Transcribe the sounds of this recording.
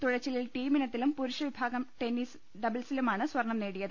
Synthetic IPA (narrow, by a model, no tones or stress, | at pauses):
t̪uɻɐt͡ɕːililʈiːminɐt̪ːilumpuɾuʂɐʋibʱaːɡɐmʈe̞nis | ɖɐbɐlsilumaːɳɨsʋɐrɳːɐmne̞ːɽijɐðɨ